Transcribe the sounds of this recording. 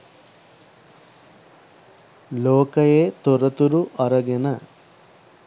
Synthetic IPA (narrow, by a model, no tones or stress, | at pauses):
loːkɐjeːt̪ɔɾɐt̪uɾuʔɐɾɐɡenɐ